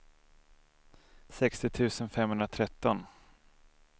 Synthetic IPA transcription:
sɛkst̪ɪt̪ʰʉ̟ːsənfɛmɦhɵnɾat̪ʰɾɛt̪ːɔn

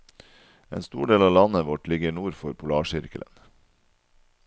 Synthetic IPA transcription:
ḛːnst̪uːɖeːlɑːlɑnəʋɔʈlɪɡəɳuːɾfɔɾpʰʊlɑːʃɪɾkələ̰n

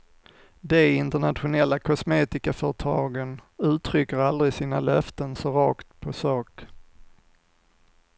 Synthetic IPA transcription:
d̪ɛɪnt̪əɳat̪ɧʊnɛlːakʰɔsmeːt̪ɪkafœɾəʈʰɑːɡənʉ̟ːt̪ʰɾʏkːəɾald̪ɾɪsiːnalœft̪ənsɔɾɑːkt̪pʰɔsɑːk

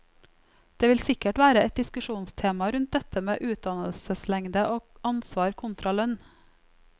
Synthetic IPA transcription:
d̪̥eːʋɪlsɪkəʈʋæːɾəɛt̪̚d̪ɪskʉʃuːnst̪ʰeːmɑɾʉnt̪̚d̪ɛt̪əmḛːʔʉːt̪̚d̪ɑnəl̩səslɛŋd̪əʔoːɑnsʋɑːɾkʰʊnt̪ɾɑlœn

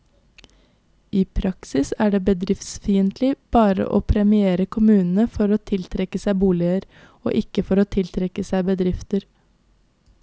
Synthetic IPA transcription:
ʔiːpʰɾɑksɪsæːɖeːbəd̪ɾɪft̪sfiːənt̪ʰlɪb̥ɑːɾə̰ʔo̰ːpʰɾɛmɪeːɾəkʰʊmʉːnn̩əfɔɾoːt̪ʰɪlt̪ʰɾɛkəsæɪbuːlɪəɾ | o̰ːʔɪkəfɔɾoːt̪ʰɪlt̪ʰɾɛkəsæɪbəd̪ɾɪft̪əɾ

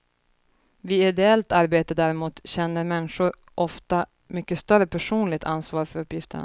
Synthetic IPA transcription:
vɪɪd̪ɛɛlt̪aɾbeːt̪əd̪æɾɪmuːt̪ɕɛnːəɾmɛnːɧʊɾ | ʔɔft̪a | mʏkːəst̪œɾəpʰæʂuːnlɪɡ̚t̪ʰansvɑːɾfœɾɵpːjɪft̪ə̰ɳa̰

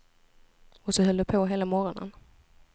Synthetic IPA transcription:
ɔsɔɦœld̪əpʰoɦeːlamɔɾɔnə̰n

